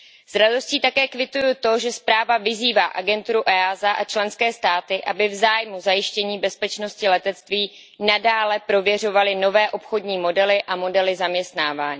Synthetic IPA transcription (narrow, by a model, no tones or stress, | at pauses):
z̥ɾado̞sciːt̪akɛːkvɪt̪ujut̪o̞ʒɛspɾaːvavɪziːvaːʔaɡɛnt̪uɾuʔɛːaːzaʔat͡ʃlɛnskɛːst̪aːt̪ɪʔabɪvzaːjmuzajɪʃcɛɲiːbɛspɛt͡ʃno̞scɪlɛt̪ɛt̪t͡st̪viː | nadaːlɛpɾo̞vjɛr̝o̞valɪno̞vɛːʔo̞pxo̞dɲiːmo̞dɛlɪʔamo̞dɛlɪzamɲɛst̪naːvaːɲiː